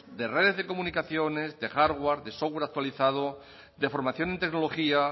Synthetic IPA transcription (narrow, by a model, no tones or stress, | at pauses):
d̪ereðe̞zðeko̞mũnikaθjo̞ne̞zðe̞xaɾɣwaɾðesovweɾak̚t̪waliθað̞o | d̪e̞fo̞ɾmaθjo̞nent̪e̞ɡnoloxia